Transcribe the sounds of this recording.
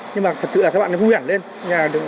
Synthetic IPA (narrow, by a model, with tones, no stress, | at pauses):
ɲɨ˧ŋmaː˨˩t̪ʰə˨˩t̚sɨ̰˧˨la˨˩kaː˦˥ɓ̰ːnɔ˦u˧hi˧˩˦nle˧n | ɲaː˨˩ɗɨ˨˩